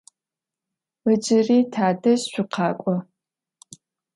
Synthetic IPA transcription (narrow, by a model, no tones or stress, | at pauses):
əd͡ʒɪriːtʰaːdɐɕɕʷʊqʰɑːkʷʼɔ